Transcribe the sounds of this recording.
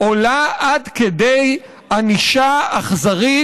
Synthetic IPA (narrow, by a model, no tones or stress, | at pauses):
olaʔadkedej | aniʃaːχzaʁi